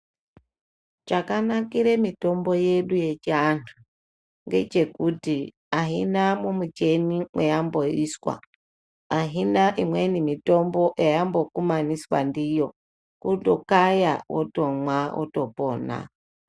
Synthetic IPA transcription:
t͡ʃakanakiɾemitombojeɗujet͡ʃantʰu | ŋɡet͡ʃekuti | aɦinamumut͡ʃenimwejamboiskwa̰ː | ɦinaʔimwenimitombɔʔjajambokumaniswa̰ndijo | kutɔkajawɔ̰tomwawo̰topɔna̰

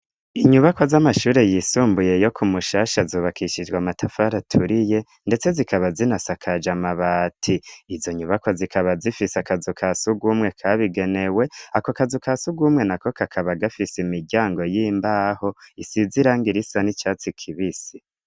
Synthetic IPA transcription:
iɲuβako̞zamaʃuːɾe̞jisuːmbuje̞jo̞kʰumuʃaːʃazuːβakʰiʃid͡ʒɡwamatʰafaɾatʰuɾije̞ | nde̞t͡se̞zikʰaβazinasakʰad͡ʒamaβaːtʰiːzo̞ɲuβako̞zikʰaβazifiseakazukʰasuɡumŋe̞kʰaβiɡe̞ne̞we̞akokazukʰasuɡumŋe̞nako̞kʰakʰaβaɡafisimiɡɟaːŋɡo̞jiːmbaho̞isiziɾaːŋɡiɾisanit͡ʃaːt͡sikʰiβisi

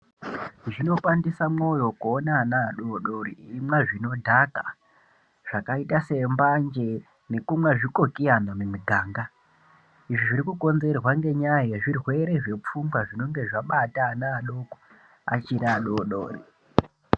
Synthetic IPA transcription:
ʐino̞pandisamo̞jo̞kuːnaːnaːɗo̞ɗoɾiimwaʐino̞dʱaka | ʐ̥akaitase̞mbaɲd͡ʒe̞ | ne̞kumweʐiko̞kianamumiɡʱaːŋɡa | iʐiʐiɾikuko̞nze̞rwaŋɡe̞ɲaajeʐirwe̞ɾe̞ʐe̞p͡fuŋɡwaʐino̞ŋɡe̞ʐaɓataːnaːɗoko̥ | a̰t͡ʃiɾaːɗoɗo̰ːrḭ

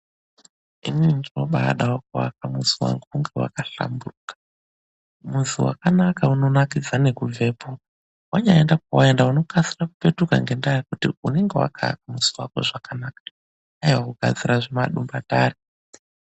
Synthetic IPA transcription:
imiindino̞ɓa̰ɗawok̚uwa̰kamuziwa̰ŋɡuuŋɡe̞wa̰kaɬa̰mburukḁ | muziwa̰kanakauno̞nakid͡zanekuvʱe̞ːpo | waɲaendakuwaendauno̞kasirakupe̞tuka̰ŋɡe̞ndajakutiune̞ŋɡewa̰kʰa̰kamuziwa̰ko̰ʐakanaːkḁ | ajiwakuɡʱa̰d͡ziɾaʐimaɗumbataːri

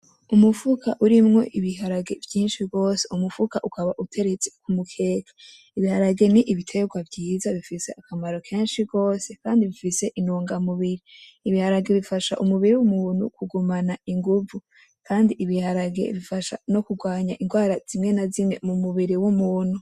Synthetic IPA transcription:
umufukʰaʔuɾimŋo̞ʔiβiɦaɾaɡe̞vjiːnʃiɡo̞ːse̞umufukaʔukʰaβaʔutʰe̞ɾet͡sekumukʰe̞ːke̥ | iβihaɾaɡe̞niʔiβitʰe̞ɡwavɟiːzaβifise̞ʔakamaɾo̞kʰe̞ːnʃiɡo̞ːse̞kaːndiβifise̞ʔinuːŋɡamuβiɾiːβihaɾaɡe̞βifaʃaʔumuβiɾiwumuːn̥hṵkuɡumanaiŋɡuvu | kʰaːndiʔiβihaɾaɡe̞̰βifaʃa̰no̞kuɡwaːɲaʔiŋɡwaːɾaz̥imŋe̞nazimŋe̞mumuβiɾiwumuːn̥hu

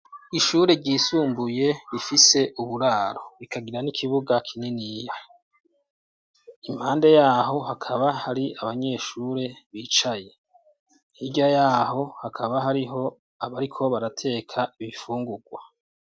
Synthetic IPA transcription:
iʃuːɾe̞ɾɟiːsuːmbuje̞βifise̞ʔuβuɾaːɾo̞ɾikʰaɡiɾanikʰiβuɡakʰininija | im̥haːnde̞jaːɦo̞hakʰaβahaɾiaβaɲe̞ːʃuɾe̞βiːt͡ʃaje̞ | hiɡɟajaːɦo̞hakʰaβaɦaɾiɦo̞ | aβaɾikʰo̞βaɾatʰe̞ːkʰaiβifuːŋɡuɡwa

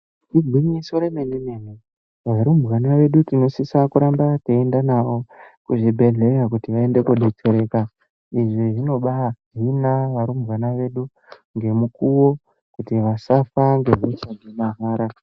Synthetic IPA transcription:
tiɡʱwiɲiso̞ɾemenimeni | ʋaɾumɣanaʋe̞ɗutino̞sisakuɾambateendanawo̞kuʐibʱe̞ɮe̞rakutiʋae̞nde̞kuɗet͡se̞ɾe̞ka | iʐiʐino̞ɓaɦinaʋaɾumɣanaʋe̞ɗu | ŋɡe̞mukuwo̞ | kutiʋasafaŋɡe̞ɦesaɡemaɦaːɾa

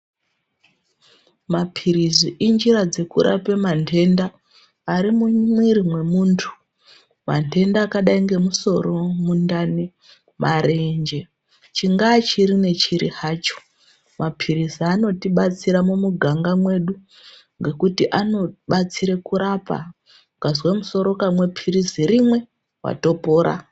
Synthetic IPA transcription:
mapʰiɾiziʔind͡ʒirad͡ze̞kuɾʔa̰pemantʰe̞ndaː | ɾimumwiɾimwe̞muːntʰu̥ | ma̰ntʰe̞ndaːkaɗaiŋɡe̞muso̞ɾo̞mundani | mʔaɾe̞nd͡ʒe̞ | t͡ʃiŋɡat͡ʃiɾine̞t͡ʃiɾihaːt͡ʃo̥ | mapʰiɾizano̞tiɓat͡siɾamomuɡʱaŋɡamwe̞ɗu | ŋɡe̞kutiʔano̞ɓat͡siɾekuɾapa̰ | ukazwamuso̞ɾo̞kamwe̞pʰiriziɾimwe̞ | wa̰topo̞ːɾa̰

